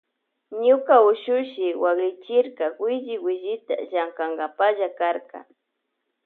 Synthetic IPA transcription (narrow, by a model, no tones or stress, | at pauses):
ɲʊkaʊʃʊʃɪwakɾɪt͡ʃɪɾkawɪʒɪwɪʒɪt̪a̰ʒaŋkaŋɡapaʒakaɾka̰